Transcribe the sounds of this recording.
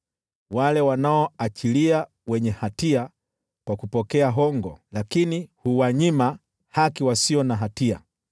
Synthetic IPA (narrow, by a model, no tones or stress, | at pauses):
walɛwanaɔat͡ʃilia | wɛɲɛhatia | kwakupɔkɛaɦɔŋɡɔ̰lakinihuwaɲima | hakiwasiɔnaɦatia̰